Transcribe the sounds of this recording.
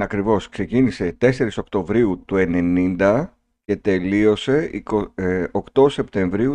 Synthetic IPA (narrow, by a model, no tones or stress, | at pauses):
ɐkɾivo̞skse̞cinise̞t̪e̞se̞ɾiso̞kt̪o̞vɾiut̪ue̞ne̞nind̪ɐ | ce̞t̪e̞lio̞se̞iookt̪o̞se̞pt̪e̞ɱvɾiu